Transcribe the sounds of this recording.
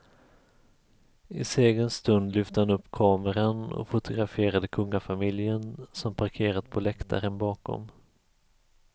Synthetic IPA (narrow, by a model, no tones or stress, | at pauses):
ɪseːɡənst̪ɵnd̪lʏft̪əhanɵpːkʰɑːməɾanɔ̰fʊt̪ʊɡɾafeːɾad̪əkʰɵŋːafamɪljənsɔmpʰaɾkʰeːɾat̪pʰɔlɛkt̪ʰa̰ɾənbɑːkɔ̰m